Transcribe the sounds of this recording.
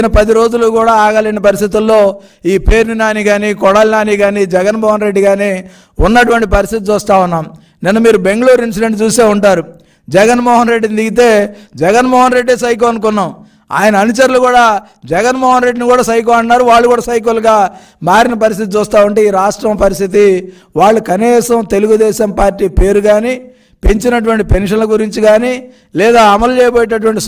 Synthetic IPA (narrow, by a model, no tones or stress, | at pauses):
nɐpɐd̪iɾo̞ːd͡ʒulukuːɽaːaːɡalɐnipɐɾist̪it̪ulːo̞ː | iːpe̞ːɾnunaːniɡaːniːkɔɽaːlinaːniːɡaːniːd͡ʒɛɡɐnmɔːɦɐnɾe̞ɖːiɡaːneː | unːɐʈuʋɐɳʈipɐɾist̪it̪it͡ʃuːst̪aːunːaːm | nɛnːɐmiːɾube̞ŋɡɐɭuːɾins̬iɖe̞ɳʈt͡ʃuːst̪eːuɳʈaːɾu | d͡ʒɛɡɐnmɔːɦɐnɾe̞ɖːid̪iɡit̪̬e̞ːd͡ʒɛɡɐnmɔːɦɐnɾe̞ɖːeːs̬ɐjk̬ːɐnukunːaːm | a̰ːjɐnɐːnut͡ʃɐɾulukuːɽaː | d͡ʒɛɡɐnmɔːɦɐnɾe̞ɖːinikuːɽaːsɐjk̬uɐɳːaːɾuʋaːɭːukuːɽaːsɐjk̬ulɡaː | maːɾinɐp̬ɐɾist̪it̪it͡ʃuːst̪aːuɳʈeːiːɾaːʂʈɾɐmpɐɾist̪ʰit̪i | ʋaːɭːukɐniːsɐmt̪e̞luɡud̪ɛːʃɐmpaːɾʈːiːpe̞ːɾuɡaːni | peɲt͡ʃinɐʈ̬uʋɐɳʈipe̞nʂɐnlɐɡuɾiɲt͡ʃiɡaːni | lɛːd̪aːɐmɐlut͡ʃɛːjɐboːjiʈɐʈ̬uʋɐɳʈi